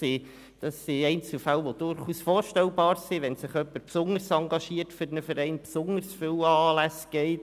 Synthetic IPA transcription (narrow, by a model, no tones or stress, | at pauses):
i | d̥ɑsːiɛɪnt͡sl̩fælʋod̥ʊɾχuːsfoːɾʃtɛlbɑːɾsiʋɛnsɪχœpːəɾpsʊŋəɾsɑŋɡɑʃiːəɾtfʏɾnəfəɾɛɪnpsʊŋəɾsfʏwɑːlæsɡ̥ɛɪt